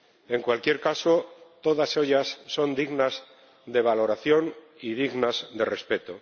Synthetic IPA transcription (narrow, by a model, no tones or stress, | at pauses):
e̞ŋkwalkje̞ɾkaso̞t̪o̞ðase̞ʎasːo̞nd̪iɣnaz | d̪e̞β̞alo̞ɾaθjo̞n | ið̞iɣnazd̪e̞re̞spe̞t̪o